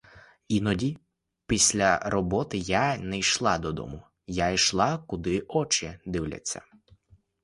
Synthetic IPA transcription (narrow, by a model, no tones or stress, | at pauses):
inɔdʲi | pʲisʲlʲɐɾɔbɔt̪ɪjanɛjʃlˠɑd̪ɔd̪ɔ̰mʊ | jajʃlˠɑkʊd̪ɪɔt͡ʃɪd̪ɪwlʲɐ̰t͡sʲːɐ̰